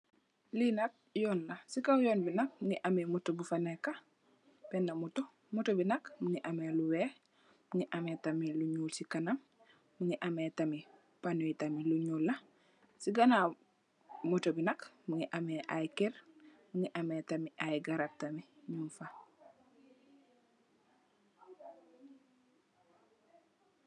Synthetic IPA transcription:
linak̚joːnːasikawjoːnbinak̚muŋiʔamemutobufaneka | penːamuto | mutobinakmuŋiʔameluwe | muŋiʔametamiluɲuːlsikanamː | uŋiʔametami | panoitamiluɲuːlːa | siɡana | mutobinɐkmuŋiʔameʔajkeɾmuŋiʔametamiʔajɡaɾak̚tamiɲunfa

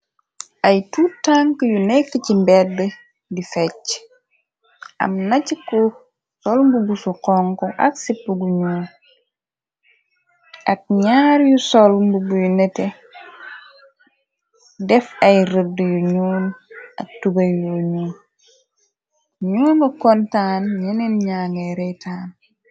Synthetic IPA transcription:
ʔɐjtuːtaŋkjunɛkːəcimbɛdbə | difɛc | ɐ̰mnɐcikɔ | sɔlmbuɡusuqɔŋkɔʔɐ̰ksipːəɡuɲuːn | ʔɐk̚ɲaːɾjusolmbuɡujunɛte | dɛfɐjɾədjuɲuːnɐ̰k̚tubɐjuɲuːn | ɲuːnɐkontaːnɲeninɲaːŋeɾejtʰaːn

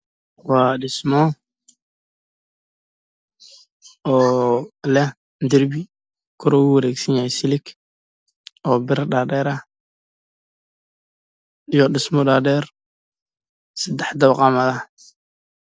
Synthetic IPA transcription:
waːdɪsmɔ | ɔːlɛ | d̪ɪrbɪ | kʰʊɾɔwwɐɾɛːɡsɐnjahɛsɪlɪk | ɔːbɪɾdaːdɛːɾɐ | ijɔɗɪsmɔdaːdɛːr | sɐd̪ɛħd̪ɐbqɑmɐðɐ

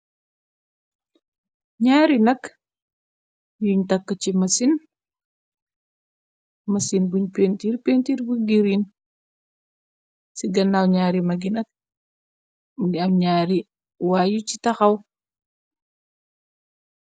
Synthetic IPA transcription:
ɲaːɾinɐk | juɲtɐkːət͡ʃimɐsin | mɐsinbuɲpentiːrpentiːrbuɡiɾin | siɡɐnːawɲaːɾimɐɡinɐk̚ | ɐɲaːɾi | wajucitɐxɐw

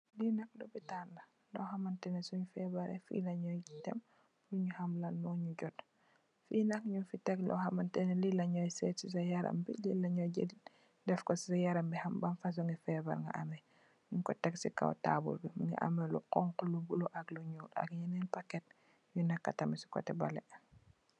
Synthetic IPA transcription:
linɐk̚lɔbitandɐ | lɔhɐmɐntɛnɛsuɲufɛbaɾɛ̰fḭlɐɲɔjɟitɛm | luɲuhamlalmɔɲuɟɔt | fiːnɐkɲufitɛklɔ̰hɐmantɛnɛlilɐɲɔjsɛtsis̬ɐjaɾɐ̰mbḭlilːɐɲɔɟɐdit | dɛfkɔsi̥sajaɾɐmbihambɐnfɐs̬uŋɡifɛbɐ̰ɾŋɡɐ̰ʔɐmɛ | ɲuŋkɔtɛksika̰wta̰bṵlbimŋḭʔɐ̰mɛlṵqɔŋkulubuloʔɐkluɲuːtɐ̰kɲanɛnpakːɛt̚ | ɲunakːɐtɐmisu̥kɔ̰tɛbɐlɛ̰

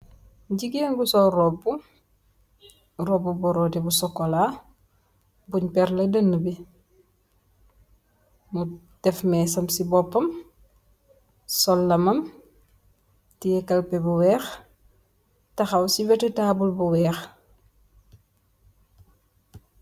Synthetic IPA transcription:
ɟiɡenɡusɔrɔbːu | ɾɔbːubɔɾɔːdibusɔkːola | buɲpɛɾlɐdɐnːəbi | mutɛfmɛs̬ɐmsibɔpːɐm | sɔlːɐmɐm | tijɛkɐlpɛbuwɛːx | tɐxɐwsiwɛtɛtaːbulbuwɛːx

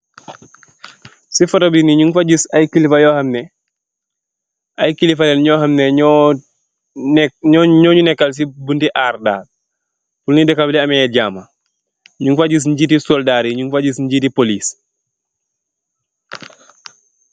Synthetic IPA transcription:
sifɔtobiniɲuŋfaɟisajkilifajɔːhɐmnɛ | ajkilifalɛnɲɔːhamnɛɔ | ɲɔːɲunɛkːals̬ibuntiʔaːrda̰ː | fulnidɛkabiliɐmɛɛɟaːma | ɲuŋfaɟis̬ɲɟitisɔldaːɾiɲuŋfaɟisɲɟitipoliːs

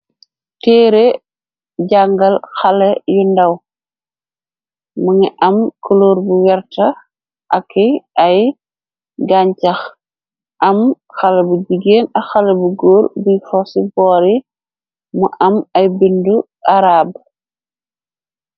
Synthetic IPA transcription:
tɛːɾe | ɟaŋɡɐlxɐlɐjundɐw | muŋiʔɐmkoloːɾbuwɛɾtɐ | ʔɐkːiʔaj | ɡaɲcɐx | ʔɐm | xɐlɐbuɟiɡeːnɐxɐlɐbuɡoːɾbujfɔsibɔːɾi | muʔɐmɐjbindu | ʔaɾaːb

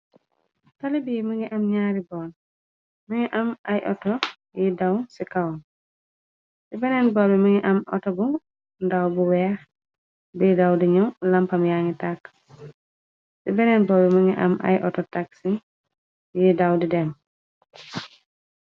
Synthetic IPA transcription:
talibimiŋiʔɐmɲaːɾibɔːn | miŋiʔamajʔɔ̰tɔ | jidawnsikawn | sibɛnɛnbɔbimiŋiʔɐmʔɔ̰tɔbu | ndawbuwɛ | bidawdiɲuwlampɐmjaŋitak | sibɛnɛnbɔːbiməŋiʔa̰ma̰jʔɔtɔtaksiŋ | jidawdidɛm

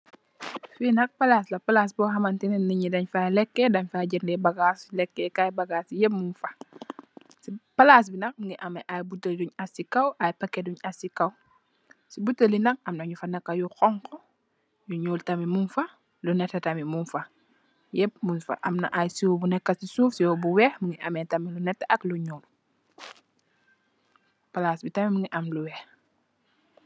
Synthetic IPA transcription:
finɐk̚palaslɐpalaːs̬bɔɦɐmantinɛnniɲidɐɲfalɛkːɛdɐɲfaɟiɾndɛbaɡaslɛkːɛkajbaɡaːsjɛp̚munfa | sipalas̬binɐk̚ŋiʔameʔajbutəlduɲasikawʔajpɐkːeduɲasikaw | sibutːəlinɐk̚ɐmnaɲufanɐkːajuxɔŋkɔ | juɲuːltɐmimunfɐ | lunɛtːɐtɐmimunfɐ | jɛp̚munfɐ̰ʔɐ̰mnɐ̰ʔajsiwɔbunɛkːɐsisuːfsiwɔbuwɛxmuŋɡiʔɐmɛntɐmilunɛtːɐʔɐkluɲuːl | pɐlasbitɐmimuŋiʔɐmluwɛx

